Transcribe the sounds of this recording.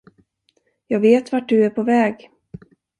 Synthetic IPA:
jɑːɡveːt̪vaʈ̚dɵæɾpʰɔvɛːɡ

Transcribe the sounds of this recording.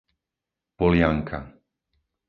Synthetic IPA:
pɔlɪaŋkʰa̰

